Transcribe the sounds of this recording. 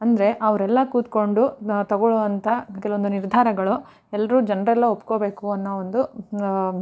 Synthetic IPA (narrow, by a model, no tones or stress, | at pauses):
ɐnd̪ɐɾe̞ʔɐʋɐɾɛlːɐkuːt̪ko̞ɳɖut̪ɐɡoɭɔʋɐnt̪ʰɐkɛluʋond̪uniɾd̪ʱaːɾɐɡɐɭu | ɛlːɐɾuːd͡ʒɐnɾɐɛlːɐopːkoːbe̞ːkuɐnːɐond̪u